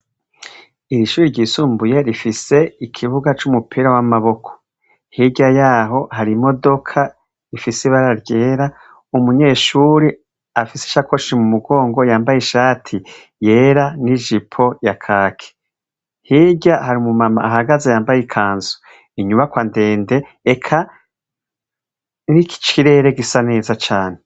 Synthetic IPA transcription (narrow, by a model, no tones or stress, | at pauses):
iɾiʃuːɾiɾɟiːsuːmbuje̞ɾifise̞ikʰiβuɡat͡ʃumupʰiɾawamaβo̞kʰo̥ | hiɟajaːɦo̞haɾimo̞do̞kʰa | ifisiβaɾaɾɟe̞ːɾa | umuɲe̞ːʃuːɾi | afise̥ʃakʰo̞ʃimumuɡo̞ːŋɡo̞jaːmbajiʃaːtʰi | je̞ːɾaniʒipʰo̞jakʰaːkʰe̥ | hiːɟahaɾimumama̰ːɦaɡazajaːmbajikʰaːnzu̥ | iɲumβakwande̞ːnde̞ː | kʰa | niki̥t͡ʃiɾe̞ɾeɡisane̞ːzat͡ʃaːne